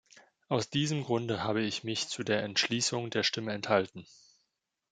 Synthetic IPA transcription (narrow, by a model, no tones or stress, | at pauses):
ʔaʊsd̥iːzəmɡʁʊndəhaːbəɪçmɪçt͡sudeːɐʔɛntʃliːsʊŋdeːɐʃtɪməɛnthaltn̩